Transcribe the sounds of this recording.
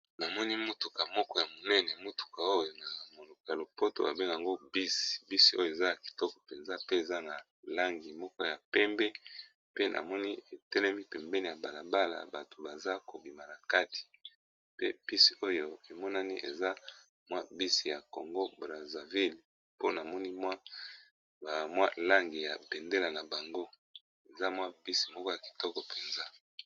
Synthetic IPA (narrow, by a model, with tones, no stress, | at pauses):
na˨mɔ˦ni˦mu˦tu˨ka˨mɔ˦kɔ˦ja˨mo˨nɛ˦nɛ˨mu˦tu̥˨ka˨o˦jo˨na˨mo˨lo˨kɔ˨ja˨lo˨po˦to̰˨a̰˨be˦ŋɡa˨ŋɡo˦bi˦si̥˨bi˦si˨o˦jo˨e˨za˦ja˨ki̥˨tɔ˦kɔ̥˨pe˨nza˦pe˦e˨za˦na˨ | la˦ŋɡi˨mɔ˦kɔ˦ja˨pɛ˦mbɛ˦ | pe˦nʔa̰˨mɔ˦ni˦e˨tɛ˦lɛ˦mi˦pɛ˨mbɛ˦ni˨ja˨ba˨la˨ba˦la̰˨ba˨to˨ba˨za˦ko˨bi˨ma˨la˨ka˦tʰi̥˨ | pe˦pi˦si̥˨o˦jo˦e˨mɔ˦na˦ni˦ʔḛ˨za˦ | mwa˦bi˦si˨ja˨ko˨ŋɡo˦bʁa˨za˨vi˦l | po˦na˨mɔ˦ni˦mwa˦˨ | mwa˦la˦ŋɡi˨ja˨bɛ˨nde˦la˨na˨ba˨ŋɡo˦ | e˨za˦mwa˦bi˦si̥˨mɔ˦kɔ˦ja˨ki̥˨tɔ˦kɔ˨pe˨nza˦